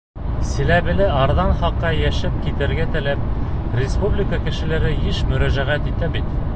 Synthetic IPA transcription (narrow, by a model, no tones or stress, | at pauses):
sɘ̆læβɘ̆lɘɑɾðɑnχɑqːɑjæʃɘp̚kit̪ɘ̆ɾɡæt̪ɘ̆læp̚ | rʲɪspublʲɪkəkɘ̆ʃɘ̆læɾɘjɘʃmɵ̆ɾæʒæʁæt̪it̪æbit̪